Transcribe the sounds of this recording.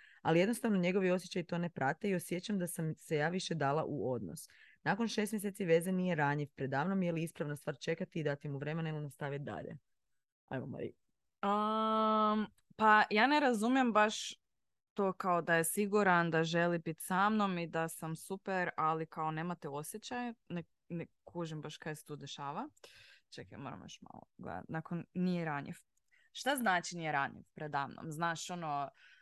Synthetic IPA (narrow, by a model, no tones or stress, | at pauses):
a̰lijed̪no̞st̪aʋno̞ɲe̞ɡo̞ʋio̞sjet͡ɕajt̪o̞ne̞pɾaːt̪e̞io̞sjet͡ɕamd̪asamse̞jaːʋiʃe̞d̪aːlˠa̰ʔuo̞d̪no̰snaːkonʃe̞st̪mjes̬et̪siʋe̞zenije̞ɾaɲifpɾed̪ːaːʋnomjeliispɾaʋnast̪ʋaːɾt͡ʃe̞kat̪iːd̪at̪imuʋɾemenailinast̪aʋit̪̚d̪a̰ʎḛ | a̰jʋoma̰ɾḭ | ə | pajaːneɾazumijembaʃ | t̪oːkaod̪ajesiɡuɾand̪aʒelibit̪samno̞mid̪asamsupeɾalikaone̞ːmat̪eo̞sjet͡ɕajane | nekʰuʒimbaʃkajset̪ud̪e̞ʃaːʋat͡ʃaka̰moɾa̰mjo̰ʃma̰lˠo̰ɡlḛd̪a̰t̪nakonnijeɾaɲḭf | ʃt̪aznaːt͡ʃinijeɾaɲḭfpɾed̪aːmno̰mznaːʃo̞no